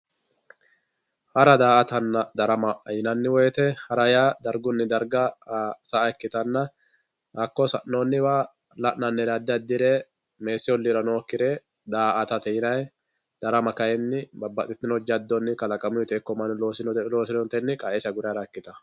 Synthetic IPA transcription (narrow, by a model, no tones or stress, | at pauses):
hɐɾɐd̪aːʔɐt̪ɐnːɐd̪ɐɾɐmɐʔɐjɪnɐnːɪwɔjɛt̪ɛhɐɾɐjad̪ɐɾɡʊnːɪd̪ɐɾɡɐsɐɛkːɪt̪ɐnːɐ | hɐkːɔsɐʔnoːnːɪwa | lɐʔnɐnːɛɾɐd̪ːɪɐd̪ːɪɾe | me̞ːsɪwɔlːɪɾɐnoːkːɪɾe | d̪aːʔɐt̪ɐt̪ɛjɪnɐj | d̪̥ɐɾɐmɐkɐjɛnːɪbɐbːɐt̪ʼɪt̪ːɪnɔd͡ʒɐd̪ːɔnːɪkɐlɐkʼɐmʊjɪt̪ɛkːɔmɐnlo̞ːsɪnɔt̪ɛloːsɪlɔnt̪ɛnːɪkʼaʔɛsɐɡʊɾɛɾɐɛkːɪt̪ɐ